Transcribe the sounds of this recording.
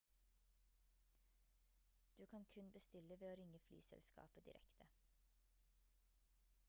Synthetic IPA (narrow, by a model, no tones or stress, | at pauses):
d̪̥ʉːkʰɑnkʰʉnbəst̪ɪləʋeːoːɾɪŋəfly̰ːsɛ̰lskɑ̰ːpəd̪ɪ̰ɾʔɛ̰kt̪ʰə